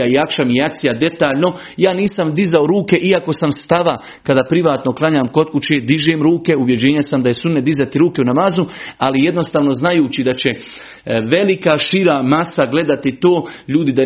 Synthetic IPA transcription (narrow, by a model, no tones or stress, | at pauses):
aijakʃamijat̪sijad̪e̞t̪aːʎno̞ | jaːniːsamd̪izaoɾuːke̞ʔiako̞samst̪aʋa | kad̪apɾiʋaːt̪no̞klˠaɲaːmko̞t̪̚kut͡ɕeːd̪iʒeːmɾuːke̞uʋje̞d͡ʑe̞ːɲesamd̪aje̞sunned̪izat̪iɾuːke̞unamaːzualije̞d̪no̞st̪aːʋno̞znajuːt͡ɕid̪at͡ɕe̞ | ʋe̞likaʃiɾamasaɡle̞d̪at̪it̪oːʎuːd̪id̪a